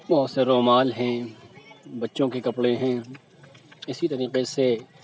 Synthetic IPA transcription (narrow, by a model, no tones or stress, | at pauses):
bɔɦt̪seɾoːmaːlɦɛ̃ | bɐtːʃõkekɐpɽeɦɛ̃ː | ɪsit̪ɐɾiːqese